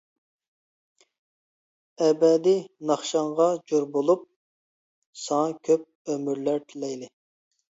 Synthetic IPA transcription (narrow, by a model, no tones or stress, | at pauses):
ɛbɛd̪ɪnɑχʃɑɴʁɑd͡ʒoɾbolˠup̚ | sɑŋɑkʲʰøp̚ømyɾlæɾt̪ʰɪlɛjlɪ